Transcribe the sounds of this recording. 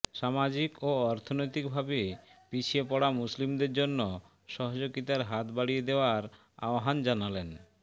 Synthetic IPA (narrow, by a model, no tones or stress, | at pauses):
ʃamad͡ʑikoɔɾt̪ʰonojt̪ikbʱabepit͡ɕʰiepɔɽamuslimd̪eɾd͡ʑonːo | ʃɔɦod͡ʑoɡit̪aɾɦat̪baɽijed̪eoaɾ | a̰oɦand͡ʑanalen